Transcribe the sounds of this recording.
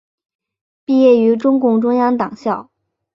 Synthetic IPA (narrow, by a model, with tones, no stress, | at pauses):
pi˥˧jɛ˥˩y˧˥ʈ͡ʂʊ˥ŋkʊ˥˩ŋʈ͡ʂʊ˥ŋjɑ˥ŋt̪ɑ˨˩ŋɕjɑ˥˩ʊ